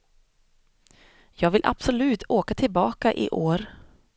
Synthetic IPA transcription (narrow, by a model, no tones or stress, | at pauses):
jɑːɡvɪlʔa̰b̥sɔlʉ̟ːt̪ʰoːkat̪ʰɪlbɑːkaʔɪ̰ʔoːɾ